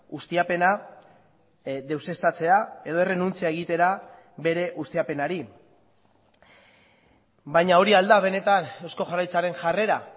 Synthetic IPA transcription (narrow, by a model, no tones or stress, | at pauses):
ust̪iape̞na | ðe̞wse̞st̪at͡se̞ae̞ðo̞ere̞nunt͡siaeɣ̞it̪e̞ɾa | βe̞ɾe̞ʔust̪iape̞naɾi | bajɲao̞ɾiald̪aβ̞e̞ne̞t̪anewsko̞ʝarajt͡saɾe̞ŋʝare̞ɾa